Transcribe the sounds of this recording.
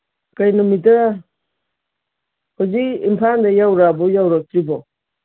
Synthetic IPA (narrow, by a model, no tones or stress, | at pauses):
kajnumitɾa | hoziḭmpʰandajawɾabɔjawɾak̚tɾibɔ